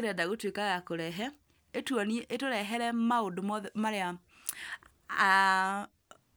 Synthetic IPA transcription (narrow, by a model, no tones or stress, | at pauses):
eɾɛdaɣotwekaɣakoɾɛɦɛ | etwɔniɛʔetoɾɛɦɛɾɛmaondomɔmaɾea | a